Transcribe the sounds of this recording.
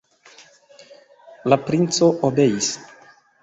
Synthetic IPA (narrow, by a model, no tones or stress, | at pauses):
lapɾint͡so̞ʔobe̞jis